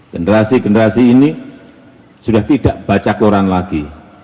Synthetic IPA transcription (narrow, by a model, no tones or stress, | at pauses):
ɡ̥ənəɾasiɡənəɾasiːni | sudaht̪idaʔb̥at͡ʃakoɾanlaɡ̥i